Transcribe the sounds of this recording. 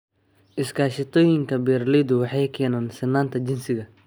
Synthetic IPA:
ʔɪskʰaːʃɪt̪ʰɔːjɪŋkʰɐbɛːrlɛjd̪ʊwɑħɑjkʰɛːnaːnsɪnːaːnt̪ʰɐt͡ʃɪnsɪɣɐ

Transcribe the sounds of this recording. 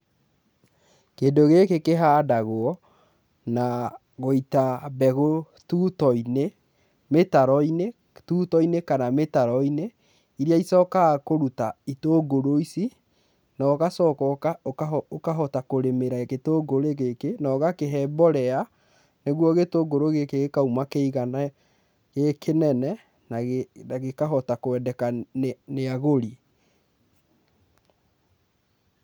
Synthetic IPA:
kedoɣekekeɦaːdaɣoɔ | na | ɣoitabɛɣo | tutɔine | metaɾɔine | tuːtɔinekanametaɾɔine | iɾiaisɔokakoɾutaitoːɡoɾoisi | naokasɔkɔkaokaokaɦɔtakoɾemeɾaketoɡoɾeɣekenaɔɣakeɦɛbɔɾɛa | neɣwɔɣetoːɡoɾoɣekeɣekaumakeiɣana | ɣekʰenɛnɛ | nanaɣekaɦɔtakoɛdɛkaneaɣoɾi

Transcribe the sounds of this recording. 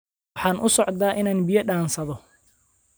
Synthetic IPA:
ħɑːnʔʊsɔʕd̪aːʔɪnaːnbijɐɖaːnsɐðɔ

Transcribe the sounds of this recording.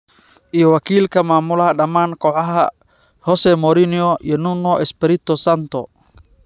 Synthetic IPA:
ʔijɔwakiːlkɐmaːmʊlɐhɐɗɐmaːnkɔʕaɦɐ̰ | hɔsɛmɔɾiniɔʔiɔnunɔʔɛspɛɾit̪ɔsant̪ɔ

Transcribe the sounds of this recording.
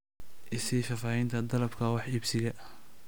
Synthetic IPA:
ʔɪsifɐfaːhɛjnt̪ʰɐd̪ɐlɐbkʰɐwɑħibsɪɣɐ

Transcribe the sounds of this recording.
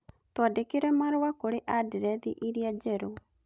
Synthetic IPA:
twadekeɾɛmaɾowakoɾeʔadiɾɛðḭʔiɾiad͡ʒɛɾo

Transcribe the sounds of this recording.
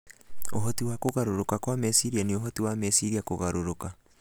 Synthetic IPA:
oɦɔtiwakoɣaɾoɾokakwamɛsiɾianeoɦɔtiwamɛsiɾiakoɣaɾoɾoka

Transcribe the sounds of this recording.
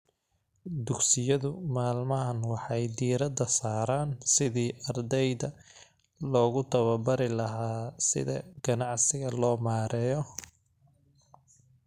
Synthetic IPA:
d̪ʊɡsɪjɐðʊmaːlmɐɦɐnwɑħɑjd̪iːɾɐd̪ɐsaːɾaːnsɪðiːʔɐrd̪ɛjðɐ | lɔːɣʊt̪ʰɐβɐbɐɾɪlɐɦaːsɪ̰ðɐ̰ɡ̥ɐnɑʕsɪɣɐlɔːmaːɾɛːjɔ

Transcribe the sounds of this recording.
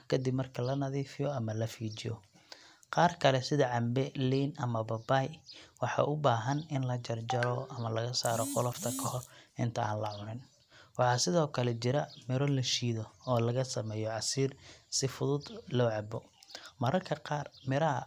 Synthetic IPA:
kʰɐd̪ɪbmɐrkʰɐlɐnɐðiːfɪjɔɐmɐlɐfiːt͡ʃɪjɔ̰ | qɑːrkʰɐlɛsɪðɐʕɑmbɛliːnʔɐmɐbɐbajwɑħɑ̰ʔʊbaːɦɐnɪnlɐt͡ʃɐrt͡ʃɐɾɔʔɐmɐlɐɣɐsaːɾɔqʊlɔft̪ʰɐkʰɔhɔrɪnt̪ʰɐa̰ːnlɐʕʊɾɪn | wɑħɑːsɪðɔːkʰɐlɛt͡ʃɪɾɐmɪɾɔlɐʃiːðɔɔːlɐɣɐsɐmɛːjɔʕɑsiːrsɪfʊðʊd̪lɔːʕɑbɔmɐɾɐrkʰɐqɑːrmɪɾɐ

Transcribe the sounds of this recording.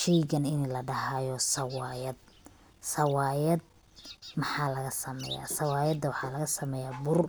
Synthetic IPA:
ʃɛjɡɐnɪnlɐɖɐɦaːjɔsɐwɑːjɐd̪̚ | sɐwɑːjɐd̪̚ | mɑħɑːlɐɣɐsɐmɛ̰ːja̰ːsɐwɑːjɐd̪ɐwɑħɑːlɐɣɐsɐmɛːjaːbʊr

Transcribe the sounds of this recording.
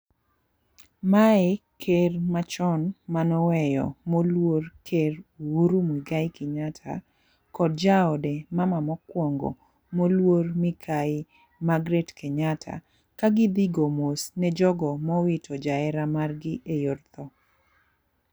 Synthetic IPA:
maɛkʰermat͡ʃɔnmanɔwɛjɔ̰molworkʰerwuɾumwiɡaɪkɪɲatʰa̰ | kɔd̚d͡ʒaɔdɛmamamɔkwɔŋɡɔ̰ | molwormɪkʰaɪ | maɡɾetkʰeɲatʰa̰ | kaɡɪd̪ɪɡomosnɛd͡ʒɔɡɔmɔwitʰɔd͡ʒaɛɾamarɡɪʔejɔrt̪ɔ

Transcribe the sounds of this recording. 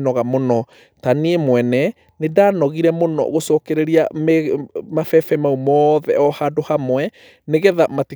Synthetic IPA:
nɔɣamonɔ | taneemwɛnɛ | nedaːnɔɣiɾɛmonɔ̰ɣosɔkeɾeɾiamɛmafɛfɛmaumɔðɛɔhadohamwɛ | neɣɛðamati

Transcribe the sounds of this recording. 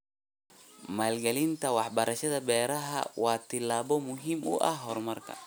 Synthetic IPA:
maːlɡɛlɪnt̪ʰɐwɑħbɐɾɐʃɐðɐbɛːɾɐɦɐ̰wɑːt̪ʰɪlːaːβɔmʊɦiːmʊ̰ʔɐhɦɔrmɐrkʰɐ̰

